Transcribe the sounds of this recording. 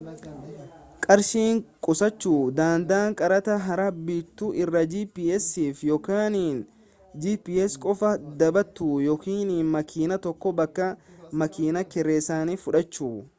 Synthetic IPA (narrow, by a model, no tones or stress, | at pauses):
kʼɐɾʃiːŋkʼʊsɐt͡ʃːuːd̪aːnd̪aːŋkʼɐɾɐt̪ɐɦɐɾɐbit̪ːuʔɪrːɐd͡ʒiːpiːɛsiːfjɔkaːniːn | d͡ʒiːpiːɛskʼɔfɐd̪ɐbɐt̪ːuːjɔːkiːniːnmɐkʰiːnɐt̪ɔkːɔbɐkːɐmɐkiːnɐkɛɾeːsaːnifʊᶑɐt͡ʃːuː